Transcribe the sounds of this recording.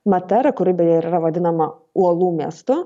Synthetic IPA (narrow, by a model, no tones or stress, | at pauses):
mɐt̪ʲɛɾɐkʊɾʲɪbʲɛjɛɪɾiɾɐʋɐd̪ʲɪnɐmɐ | uɔlˠuːmʲiɛst̪ʊ